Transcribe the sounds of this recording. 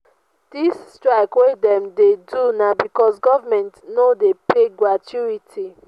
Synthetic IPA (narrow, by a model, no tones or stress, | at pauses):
d̥istɹaɪkwedɛ̃mdedunabikɔsɡɔvamɛ̃ntnodepʰeɡɹatʰjuitʰi